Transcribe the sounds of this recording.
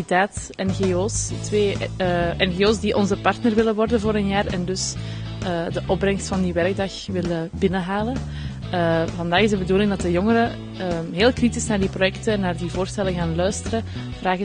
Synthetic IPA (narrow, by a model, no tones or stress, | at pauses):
itaːt | ɛnɣeoːstʋeːʔɛnɣeoːsdiʔɔnzəpɑrtnərʋɪləʋɔrdənvoːɾənjaːrɛ̰ndɵs | əːdəʔɔb̚brɛŋstfɑndiʋɛrɡ̚dɑxʋɪləbɪnəɦaːlən | əvɑndaːɣɪzdəbəduːlɪŋdɑtdəjɔŋəɾə | əɦeːlˠkritɪsnaːrdiprojɛktənːaːrdivoːrstɛləɣaːnlœɥstəɾə | v̥raːɣɪ